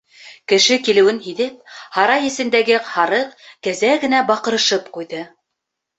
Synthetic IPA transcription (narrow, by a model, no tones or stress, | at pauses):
kɘ̆ʃɘkilɘ̆wɘnɦiðɘp̚hɑɾɑjɘ̆sɘ̆nd̪æɡɘhɑɾɤqkæzæɡɘ̆næbɑqɤ̆ɾɤ̆ʃɤpqujðɤ